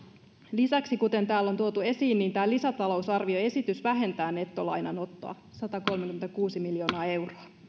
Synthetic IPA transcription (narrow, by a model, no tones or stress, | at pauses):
lisæksikut̪e̞nt̪æːlːo̞nt̪uot̪ue̞siːnːint̪æːlisæt̪ɑlo̞usɑrʋioe̞sit̪ysʋæɦe̞nt̪æːne̞t̪ːolɑjnɑno̞t̪ːo̰ɑ̰ | sɑt̪ɑko̞lmekyment̪ækuːsimiljo̞ːnɑːe̞wroɑ